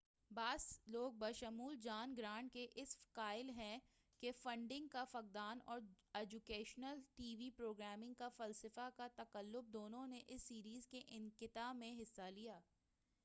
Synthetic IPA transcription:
baːzloːɡ̚bɐʃɐmuːld͡ʒaːnɡɾãːɳʈ̚keʔɪskaːɪlɦɛ̃ | kefɐ̃ɳɖɪ̃ŋɡ̚kafɐk̚d̪aːnɔːɾ | ɛːd͡ʒukeːʃnəlʈiːʋipɾoːɡɾɛːmɪ̃ŋɡ̚kafɐlsɪfakat̪ɐkəlːʊb̚d̪oːnõneʔɪsːiːɾiːzkeʔɪ̃ŋkɪt̪aːmẽɦɪsːalijaː

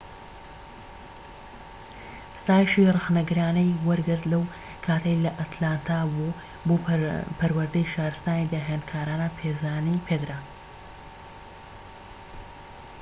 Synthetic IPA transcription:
st̪aːjʃirɨxnɐɡɨɾaːnɐjwɐɾɡɨɾd̪lɐw | kʰaːt̪ɐjlɐʔɐt̪ʰlaːnt̪ʰaːbu | boːpʰɐɾwɐɾd̪ɐjʃaːɾɨst̪aːnid̪ɐɦenkʰaːɾaːnapʰeːzaːnipʰed̪ɾa

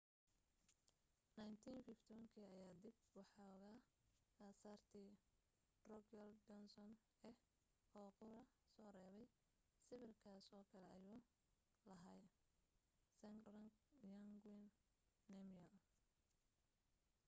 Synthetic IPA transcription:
najnt̪ʰiːnfɪft̪ʰɔɐŋkʰiːɐjaːd̪ib̚wɑħɑɣaː | aːsaːrt̪ʰiː | rɔkʰjɐldɔnsɔn | ɛ | hɔːqʊɾɐ | sɔːrɛːβɛj | sɪβɪrkʰaːsɔːkʰɐlɛɐjuː | lɐɦaj | sɛŋrɐŋjɐŋɡwɪnː | ɛmjɐl

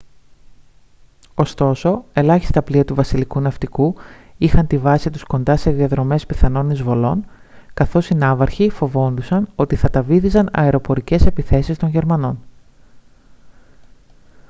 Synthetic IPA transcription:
o̞st̪o̞so̞e̞lɐçi̥st̪ɐpliɐt̪uvɐsilikunɐft̪iku | ixɐnt̪ivɐsit̪usko̞nd̪ɐse̞ðiɐðɾo̞me̞spiθɐno̞nizvo̞lo̞n | kɐθo̞sinɐvɐɾçifo̞vo̞nd̪usɐno̞t̪iθɐt̪ɐviθizɐnɐ̰e̞ɾo̞po̞ɾice̞se̞piθe̞sist̪o̞nʝe̞ɾmɐno̞n

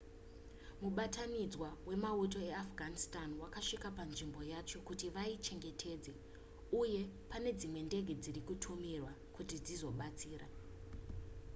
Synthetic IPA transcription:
muɓatanid͡zwawe̞mauto̞e̞afɡʱanistanwakaʂikapanʐimbo̞jat͡ʃo̞kutiʋait͡ʃe̞ŋɡe̞tʰe̞ːd͡ze | uje̞pane̞d͡zimwe̞nde̞ɡʱed͡zirikutʰumirwa | kutid͡zizo̞ɓat͡siːra

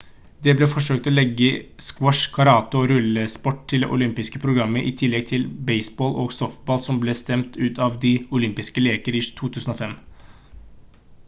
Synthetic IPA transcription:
d̪ɛblɛfɔʂøːkt̪ɔlɛɡːəskwɔʂkʰɑɾɑːt̪ʊɾʉləspɔʈ̚ːt̪ʰɪld̪ɛ̰ʔʊlʏmpɪskəpʰɾʊɡɾɑmːəʔɪ̰t̪ʰɪlːɛɡ̚t̪ʰɪlbɛɪsboːlʔoːɡsɔft̪̚bɑːlsɔmblɛst̪ɛmt̪ʉːt̪ʰɑʋd̪ɪʊlʏmpɪskəleːkəɾɪːt̪ʰuːt̪ʰʉːsən̩ɔfɛm

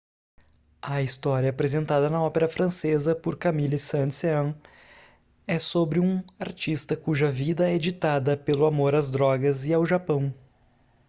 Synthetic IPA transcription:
ɐist̪ɔɾjɐːpɾezẽnt̪ad̪ɐnɐɔpeɾɐfɾɐ̃sezɐpoɾkamilɪsɐ̃nseɐ̃ | ɛsobɾɪũaɾt͡ʃist̪ɐkuʒɐvid̪ɐɛed͡ʒit̪ad̪ɐpelʊamoɾazd̪ɾɔɡɐzɪawʒapɐ̃w̃

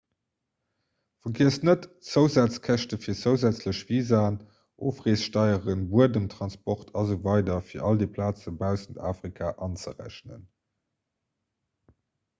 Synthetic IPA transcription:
fɐɡiəsnətt͡səʊzæːt͡skʰæʃtəfiːɐt͡səʊzæt͡sləɕviːzaːn | ʔoːfʁeːsʃtɑɪəʁənbuədəmtʁɑnspɔχtʰɑzuvɑɪdɐfiːɐʔɑldeːpʰlaːt͡səbæʊsəntʰaːfʁ̥ikʰaʔɑnt͡səʁæ̰ɕnə̰n

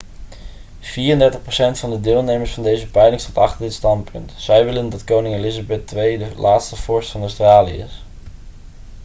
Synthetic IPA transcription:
v̥iːrəndɛɹtəχprowsɛntfɑndədɪːlˠnejməɹsfɑndejzəpɛjlɪŋstatɑχtəɹdɪtstɑntpʰɵntz̥ɛjʋɪləndɑtkownɪŋelɪzabɛtʋejdəlʔaːtstəv̥ɔɹstfɑnawstraːlijə̰ɪ̰s

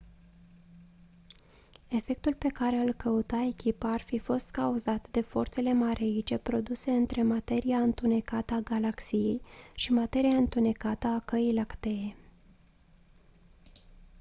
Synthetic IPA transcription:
e̞fe̞k̚t̪ulpe̞kaɾealkəut̪ae̞kʲipəarfifo̞st̪kauzat̪d̪e̞fo̞̰rt̪se̞le̞maɾʔeit͡ʃe̞pɾo̞d̪use̞ɨnt̪ɾe̞mat̪e̞ɾijaɨnt̪une̞kat̪əaɡalaksijejʃimat̪e̞ɾijaɨnt̪une̞kat̪əakəijlakt̪e̞e

